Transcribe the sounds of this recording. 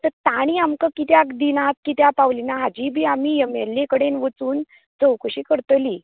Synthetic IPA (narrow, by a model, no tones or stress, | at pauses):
t̪əɾt̪aɽ̃iamkəkit̪jakd̪inat̪̚kit̪japawlinaɦad͡ʑiːbʱiːamiːemelːekəɽenʋət͡suːn | d͡zəwkəɕiːkəɾt̪liː